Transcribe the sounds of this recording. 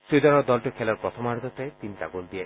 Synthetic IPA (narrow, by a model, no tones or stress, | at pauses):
sud̪ɔnɔd̪ɔlʈikʰɛlɔɾpɾɔt̪ʰɔmaɾd̪ɔt̪aet̪int̪a̰ɡold̪ija